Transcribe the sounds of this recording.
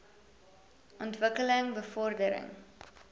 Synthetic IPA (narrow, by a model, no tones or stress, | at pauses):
ʔɔntvəkələŋbəfɔrdəɾə̰ŋ